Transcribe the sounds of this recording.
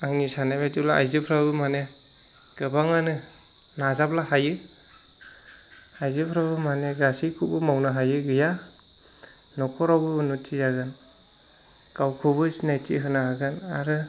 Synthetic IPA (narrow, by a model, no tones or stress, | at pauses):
aŋnisanajbatulaa̰jzɯpʰɾabɯmane | ɡ̥ɯbaŋanɯ | nazaplahajɯ | ajzɯpʰɾabɯmaneɡasikʰubɯmawnɯɦajɯɡɯja | nɔkʰɔɾawbɯnutʰizaɡɯn | kawkʰubɯsinajtʰḭɦɯnaaɡɯnaɾɯ